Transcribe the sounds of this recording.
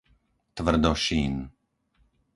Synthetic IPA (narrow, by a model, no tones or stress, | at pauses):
t̪vərd̪ɔʃin